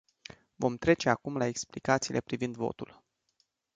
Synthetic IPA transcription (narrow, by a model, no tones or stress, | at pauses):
vo̞mt̪ɾe̞t͡ʃeakumlae̞ksplikat̪siːlʔe̞pɾivind̪vo̞̰t̪ul